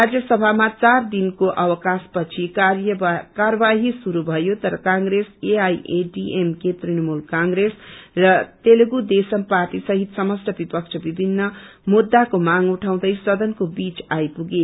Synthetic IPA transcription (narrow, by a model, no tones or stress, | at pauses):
rad͡zjʌsʌbʱamat͡sard̪inkoʔʌwʌkaspʌt͡sʰikjkaɾʌbaɦisuɾubʱʌjot̪ʌɾʌkãŋɡɾeseajʔeɖiʔemket̪rinʌmulkãŋɡɾesrʌt̪elɡud̪esʌmpart̪isʌɦit̪sʌmʌsʈʌbipʌk̚t͡sʰʌbibʱinːʌmud̪ːakomaŋuʈʰaw̃d̪ʌjsʌd̪ʌnkobit͡sajpuɡe